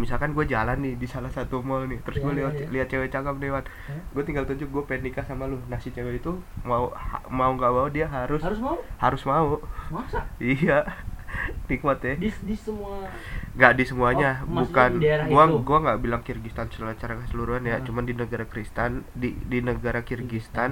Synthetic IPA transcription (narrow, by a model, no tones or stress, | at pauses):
misalkanɡuad͡ʒalanːɪdisalahsat̪umɔlnɪt̪əɾʊsɡualiwaliat̪̚t͡ʃewɛt͡ʃakap̚newan | ɡuat̪iŋɡalt̪uɲd͡ʒʊk̚ɡuapenikasamalʊnahsit͡ʃeweit̪umauhamauŋɡaʔbaudiaɦaɾʊsshaɾʊsmau | ija | nik̚mat̪ɛmu | ŋɡaʔdisəmuaɲabukanɡuaɡuaŋɡaʔbilaŋkirɡist̪ansəlalat͡ʃaɾakəsəluɾuɦanjat͡ʃumandinəɡaɾakɾist̪andidinəɡaɾakirɡist̪an